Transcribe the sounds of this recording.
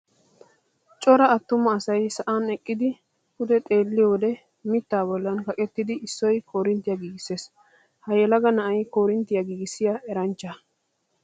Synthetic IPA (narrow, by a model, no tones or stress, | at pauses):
t͡ʃʼɔɾɐɐt̪ːʊmɐːsɐjsɐʔaːnɛkʼːɪd̪ɪ | kʊd̪ɛt̪ʼe̞ːlːɪjoːd̪ɛ | mɪt̪ːaːbɔlːɐnkɐkʼɛt̪ːɪd̪ɪɪsːɔjkʰoːɾɪnt̪ːɪjɐɡiːɡɪseːs | hɐjɛlɐɡɐnɐʔɐjkoːɾɪnt̪ːɪjɐɡiːɡɪsɪjaʔɛɾɐnt͡ʃːɐ